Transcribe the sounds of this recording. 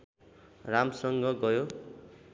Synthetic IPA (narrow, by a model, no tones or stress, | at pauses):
ramsʌŋɡʌɡʌjo